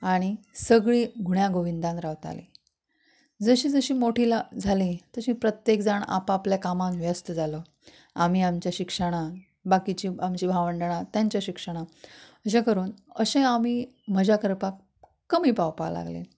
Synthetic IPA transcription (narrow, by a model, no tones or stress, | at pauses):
aɽ̃isəɡɭiːɡʱuɳjãɡoʋind̪ãnɾaʋt̪a̰lḭː | d͡zəɕiːd͡zəɕiːmoʈʰilad͡zʱalĩt̪əɕĩpɾət̪jekd͡zaɳa̰papljakamãnʋjəst̪əd͡zʱalə | am̤iamt͡ɕjaɕikʂəɽ̃a | bakit͡ɕiːamt͡ɕiːbʱaʋəɳɖəɳ̃at̪jaɲt͡ɕjaɕikʂəɽ̃aəɕ̬ẽkəɾuːnəɕẽamiː | məd͡ʑakəɾpakː | əmiːpawpa̰la̰ɡlḛ